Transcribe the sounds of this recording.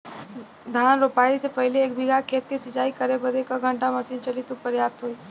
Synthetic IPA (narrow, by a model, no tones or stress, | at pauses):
d̪ʱaːnɾopaːisepɐɦleeːk̚bʱɪɡakʰeːt̪ːesɪt͡ʃaːikɐɾebəd̪ekaɡʱə̃ɳʈamɐsiːnt͡ʃəlit̪upəɾjaːt̪ɦoːiː